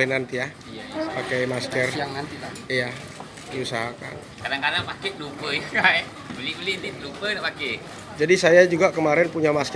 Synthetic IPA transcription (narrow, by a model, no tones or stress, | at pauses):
inant̪ija | pakɛjmaskərjaŋnant̪it̪a | ija | diusaɦaka̰n | kadaŋkadaŋpakeʔlupəjkae | bəlibəlint̪ilupədaʔpake | d͡ʒadisajad͡ʒuɡakəmaɾɛnpuɲamask